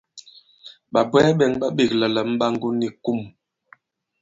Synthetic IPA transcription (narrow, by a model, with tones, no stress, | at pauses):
ɓa˨bwɛ˦ɓɛ˨ŋɓa˦ɓi˦˨k̚lə˨lə˨m̩˦ɓa˦ŋɡu˦ni˨ku˦˨m